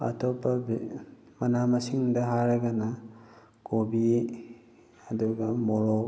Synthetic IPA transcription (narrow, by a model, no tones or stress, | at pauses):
a̰tʰɔpːab | manamasiŋdɐɦaɾeɡana | kobi | aduɡɐmɔɾɔ